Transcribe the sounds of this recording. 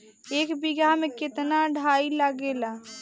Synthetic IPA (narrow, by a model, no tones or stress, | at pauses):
eːkbiɡamekɪt̪naɖʱailaɡela